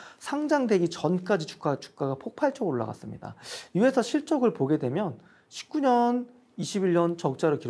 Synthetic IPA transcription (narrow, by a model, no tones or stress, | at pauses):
sʰaŋd͡ʑaŋde̞ɡit͡ɕʌnk͈ad͡ʑit͡ɕu̥k͈at͡ɕu̥k̚k͈aɡapʰok̚pʰaɭt͡ɕ͈ʌɡoɭːa̰ɡa̰s͈ɯmɲḭda̰jue̞sʰʌɕʰiɭt͡ɕ͈ʌɡɯɭpoɡe̞dwe̞mjʌn | ɕʰi̥p̚k͈uɲʌn | iɕʰibiʎːʌnt͡ɕʌk̚t͡ɕ͈aɾɯkiɾ